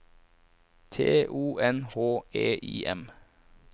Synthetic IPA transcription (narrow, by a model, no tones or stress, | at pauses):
t̪ʰḛːʔuːʔɛnhoːeːʔiːʔɛ̰m